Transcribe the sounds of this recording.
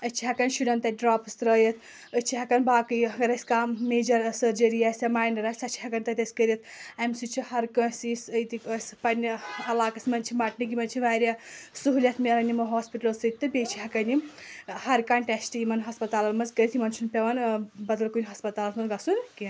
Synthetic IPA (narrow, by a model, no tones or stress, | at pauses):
ɐt͡ʃʰiɦɐkɐnʃudɐnt̪ɐɖɾaːpsɾɐjɐt̪ʰ | ət͡ʃʰiɦɐkɐnbaːkɨjɐɡɐɾɐsʲkammeːd͡ʒɐɾsəɾd͡ʒɐɾiasʲamaːjnɐɾasʲɐt͡ʃʰi̥ɦɐkɐnt̪ɐt̪ʲɐsʲkəɾʲiɐt̪̚ʰamsut͡ʃʰihɐɾkɐ̃sisəjt̪ikəspɐnʲɐlaːkɐsmɐnt͡ʃʰimaʈnik̬imɐnt͡ʃʰiʋaːɾasuɦulʲɐt̪ʰmelɐnimɐɦɔːspiʈɐlsɨt̪ːɨbʲet͡ʃʰiɦɐkɐnihɐɾkaːɳʈʲesʈiimɐnɦɐspɐt̪aːlɐt̪mɐzkəɾʲit̪ʰimɐnt͡ʃʰunpʲeʋɐnbɐd̪ɐlkunʲɦɐspɐt̪aːlɐt̪mɐnɡɐsunki